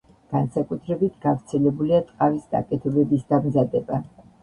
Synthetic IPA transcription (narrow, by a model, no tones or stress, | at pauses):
ɡ̥ansakʼut̪ʰɾɛbit̪ʰɡafɾt̪sʰɛlɛbuliat̪ʼqʼavisd̪a̰kʼɛt̪ʰɛbɛbisd̪amzad̪ɛba